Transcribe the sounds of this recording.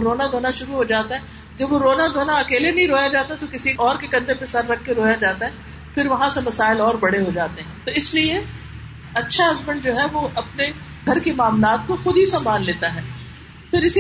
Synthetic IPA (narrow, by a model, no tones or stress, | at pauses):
ɾoːnad̪ʱoːnaʃʊɾuɦod͡ʒaːt̪aɦɛ | d͡ʒɐbʋoɾoːnad̪ʱoːnaɐkeːlenɐɦĩɾoːjad͡ʒaːt̪at̪okɪsiɔːɾkekɐ̃nd̪epɪsɐɾːɐkʰkeɾoːjad͡ʒaːt̪aɦɛː | pʰɪɾʋɐɦãsemɐsaːɪlɔːɾbɐɽeɦod͡ʒaːt̪eɦɛ̃ːt̪oɪslie | ɐtːʃʰaɐzməɳd͡ʒoːɦɛʋoʔɐpne | ɡʱɐɾkemaːmlaːt̪̚koxʊd̪ɦisɐmbaːnleːt̪aɦɛː | fɪɾɪs